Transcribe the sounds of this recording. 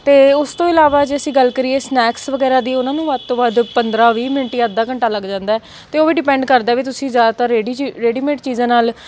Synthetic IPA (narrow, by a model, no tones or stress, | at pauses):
t̪eːʊst̪õːɪlaːʋaːd͡ʒeːəsĩːɡəlkəɾiːeːsnɛːksʋəɡɛːɾaːd̪iːʊnãːnũːʋad̪̚t̪õːbaːd̪pənd̪ɾaːʋiːmɪnʈiãəd̪ːaːkəɳʈaːləɡd͡ʒãːnd̪aːɛː | t̪eːoːʋiːɖɪpɛ̃ːɳɖkəɾd̪aːʋiːt̪̬ʊsĩːzjaːd̪aːt̪aːɾeɖiːɾeːɖiːmeːʈ̚t͡ʃiːzãːnaːl